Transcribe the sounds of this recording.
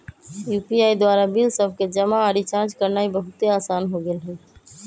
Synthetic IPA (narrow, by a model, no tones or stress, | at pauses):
juːpiaid̪waɾabilsəbʱked͡ʒəmaːɾit͡ʃãɾt͡ʃkəɾnaibəɦʊt̪eaːsanɦoɡelɦɛ